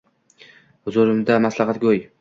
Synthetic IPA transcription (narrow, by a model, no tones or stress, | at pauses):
hʊzʊɾɪmd̪amaslɑχɑt̪ɡʲoj